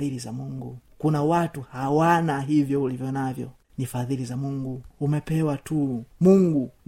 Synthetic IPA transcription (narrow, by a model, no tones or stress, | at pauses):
ilizamuŋɡukunawatuhawanaɦivjɔulivjɔnavjɔ̰ | nifaðilizamuŋɡuːmɛpɛwatumuŋɡu